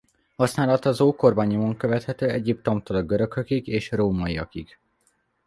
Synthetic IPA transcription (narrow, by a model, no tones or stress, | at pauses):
hɒsnaːlɒt̪ɒzoːko̞rbaɲomoŋkøvɛt̪hɛt̪øːɛɟip̚t̪o̞mt̪olɒɡøɾø̞køkiɡeːʃroːmɒiɒ̰kiɡ̥